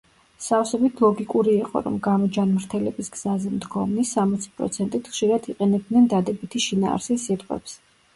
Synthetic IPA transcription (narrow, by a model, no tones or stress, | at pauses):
safsɛbit̪ʰlˠɔɡikʼuɾiːqʼɔ̰ɾɔ̰mɡamɔd͡ʒanmɾt̪ʰɛlɛbisɡz̥azɛmd̪ɡɔmnisamɔt̪sʰi̥pʼɾɔ̰t̪sʰɛnt̪ʼit̪ʰχʃiɾad̪iqʼɛnɛb̚d̪nɛnd̪ad̪ɛbit̪ʰiʃina̰ːɾsisit̪ʼqʼwɛ̰ps